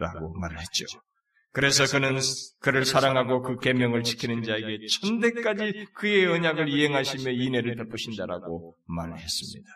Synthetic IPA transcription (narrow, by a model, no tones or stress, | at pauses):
ɾa̰ɡomaɾɯɭɦe̞t̚t͡ɕ͈o | kɯɾe̞sʰʌkɯnɯnkɯɾɯɭsʰaɾaŋɦaɡokɯke̞mjʌŋɯɭt͡ɕʰi̥kʰinɯnd͡ʑae̞ɡe̞t͡ɕʰʌnde̞k͈ad͡ʑikɯe̞ʌɲaɡɯɭiɦe̞ŋɦaɕʰimjʌine̞ɾɯɭtʌp͈ʰɯɕʰindaɾa̰ɡomaɾɯɭhe̞s͈ɯmɲḭd̥ḁ